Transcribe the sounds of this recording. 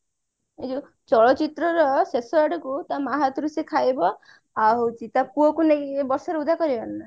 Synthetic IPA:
ed͡ʒu | t͡ʃɔɭɔt͡ʃit̪ɾɔɾɔsesɔaʈɔkut̪amaɦat̪ɾusekʰajbɔ | aɦowt͡ʃʰit̪apuɔkunejbɔɾsɔɾeud̪ʱakɔɾibɔnːa

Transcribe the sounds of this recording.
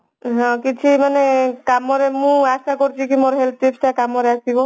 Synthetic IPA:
ɦɔ̃kit͡ʃʰimanekamɔɾemũasakɔɾt͡ʃʰikimoɾɦelp̚iptakamɔɾeasikɔ

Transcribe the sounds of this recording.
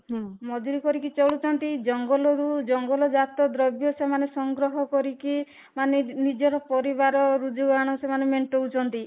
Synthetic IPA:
mɔd͡ʒuɾikɔɾikit͡ʃɔɭut͡ʃʰɔnt̪id͡ʒɔŋɡɔlɔɾud͡ʒɔŋɡɔlɔd͡ʒat̪ɔd̪ɾɔbjɔsemanesɔŋɡɾɔɦɔkɔɾiki | manenid͡ʒɔɾɔpɔɾibaɾɔɾud͡ʒuɡaɽ̃ɔsemanemeɳʈout͡ʃʰɔnt̪i

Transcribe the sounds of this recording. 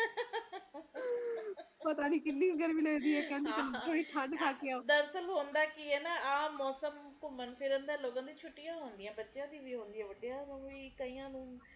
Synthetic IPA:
pət̪aːniːkɪlːiːɡəɾʋiːləːd̪iːɦɛːkɛ̃ːnd̪eːt̪ət̪ʰoːɽiːt̪ʰaɳk̪ʰaːkɪjaːoːd̪əɾsəlɦoːnd̪aːkiːɛːnaːaːmɔːsəmkʊmənpʰɪɾənd̪ãːloːɡãːd̪iːt͡ʃʰʊʈːijãːɦoːnd̪ɪjãːbətːʃãːd̪iːʋiːɦõːnd̪ijãːʋəɖijaːmə̃ʋiːkəĩːãːnũː

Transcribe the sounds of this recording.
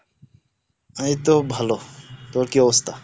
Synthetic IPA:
aet̪obʱalot̪oɾkiɔbost̪ʰa

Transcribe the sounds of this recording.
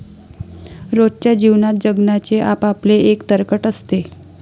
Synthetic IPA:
ɾod͡zt͡ɕjad͡ʑiʋnat̪̚d͡ʑəɡnat͡ɕeʔapapleʔekt̪əɾkəʈəst̪e

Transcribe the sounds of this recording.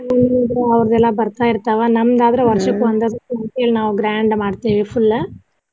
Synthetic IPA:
munːiid̪ɾɐɐʋɐɾɐðɛlːãːbɐɾt̪aːɪɾɯt̪ːaːʋɐnɐmːɐd̪aːd̪ɪɾɐʋɐɾʂɐkːɯʋɐnd̪ɐðɯkːɐʈ̪ːɪjɐlnaːʋuɡɾaːɳɖmaːɽt̪ːiːʋifʊlːɐ

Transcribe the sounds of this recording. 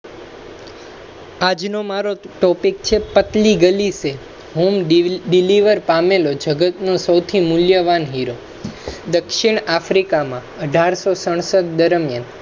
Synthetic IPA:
ad͡ʒnomaɾoʈɔpik̚t͡ʃʰepət̪liɡəlise | ɦumɖiliʋəɾpamelod͡ʒəɡət̪nosəwt̪ʰimʊljəʋanɦiɾo | d̪əkʃiɳ̃afɾikamã | əɖʱaɾsosəɳ̃səɡd̪əɾmjan

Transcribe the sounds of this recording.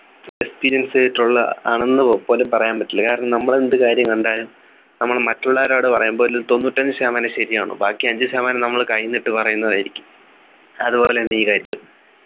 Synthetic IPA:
ekspiːɾijɐnseʈːuɭːɐa̰ːɳenːɨpo̞ːlepɐrɐjaːmbɐtːilːɐkaːɾɐɳɐmnɐmːɐɭend̪ɨkaːɾjɐŋɐɳɖaːɾum | nɐmːɐɭmɐtːuɭːaːɾoːɽɨpɐrɐjumbo̞ːilːut̪o̞nːuːtːɐɲd͡ʑɨsaːmaːnɐɕɐɾijaːɳṵbaːkːiɐɲd͡ʑɨsaːmaːnɐmnɐmːɐɭkɐjːinːiʈːɨpɐrɐjunːɐðaːjiɾikʲːu̥m | ɐðupo̞ːlenːiːkaːɾjɐ

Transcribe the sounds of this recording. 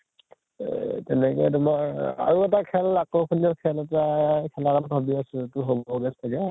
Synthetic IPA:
tɛnɛkɔjt̬ʊmaa̰ɹuɛt̬akʰɛlakokʰuniɔkʰɛlɛtakʰɛlaɹambʱabiasɛtʊɦobɔɡɛstʰaɡɛ

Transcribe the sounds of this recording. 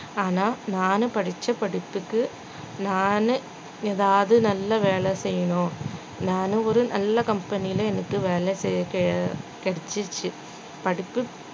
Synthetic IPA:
aːnaːnaːnɯpɐɽɪt͡ʃːɐpɐɽɪpːɯkːɯ | naːnɯ | eːðaːʋɐðɯnɐlːɐʋeːɭɛsɛjːɐɳõː | naːnɯɔɾɯnɐlːɐkɐmpɐnɪjɪlɐɛnɐkːɯʋeːlɛsɛkkɛɽɪt͡ʃːɯt͡ʃːɯ | pɐɽɪpːɯ

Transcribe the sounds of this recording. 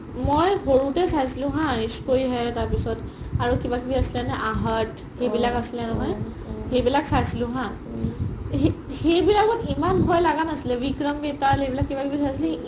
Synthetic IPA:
mojhoɹutɛsajsilʊ̃ɦãiskojɦɛtaɹpisɔt | aɹukibakibiasilɛnɛʔaɦət | xejbilakasilɛnɔɦɔj | hejbilaksajsilũɦã | hejbilakɔtimanbʱɔjlaɡanasilɛbikɹɔmbetaɦejbilakːibakibisajsilĩ

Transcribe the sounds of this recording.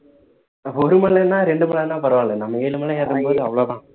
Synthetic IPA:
oɾumɐɭːɐnːaːɾeɳɖumɐɭːenːaːpɐrɐʋaːɳɐɭːenːaːmːeːlumɐɭːeeðumboːðɨɐʋɭoːðãː

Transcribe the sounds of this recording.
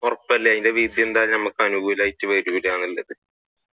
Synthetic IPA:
orɐpːɐlːeɐjindeʋiːd̪ije̞nd̪aːlnɐmɐkːɨɐnuɡuːlaːjitːɨʋɐɾubiɾaːnilːɐðɨ

